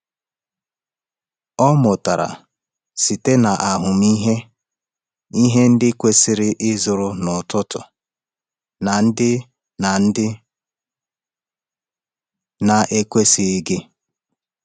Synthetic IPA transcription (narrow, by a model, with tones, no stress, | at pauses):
ɔ˦mʊ˨ta˨ɾa̰˨ | si˨te˦na˨ʔa˨ɦʊ˨m˦i˦ɦe˦ | i˦ɦe˦n̩˦dɪ˦kʷe˦sɪ˨ɾɪ˦ʔɪ˦zʊ˨ɾʊ˨nʊ˨tʊ˦tʊ̰˨ | na˨n̩˦dɪ˦ | na˨n̩˦dɪ˦ | na˨ʔe˦kʷe˦si˨ɪ˦ɡɪ˦